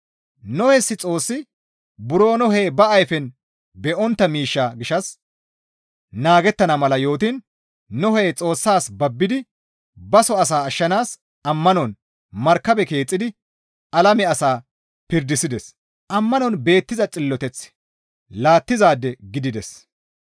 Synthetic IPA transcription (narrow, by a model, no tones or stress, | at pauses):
nɔhɛsːɪt͡sʼo̞ːsːɪ | bʊɾoːnɔɦejːbɐɐjfɛn | bɛʔɔnt̪ːɐmiːʃːaɡɪʃɐs | naːɡɛt̪ːɐnɐmɐlɐjo̞ːt̪inː | ɔhɛːt͡sʼo̞ːsːaːsbɐbːɪd̪ɪ | bɐsɔɐs̬aːɐʃːɐnaːs | ɐmːɐnɔn | mɐɾkːɐbɛke̞ːt͡sʼːɪd̪ɪ | ɐlɐmɛɐsaː | pɪɾd̪ɪsɪd̪ɛs | ʔɐmːɐnɔnbe̞ːt̪ːɪzɐt͡sʼɪlːɔt̪ɛt͡sː | laːt̪ːɪzaːd̪ːɛɡɪd̪ɪd̪ɛs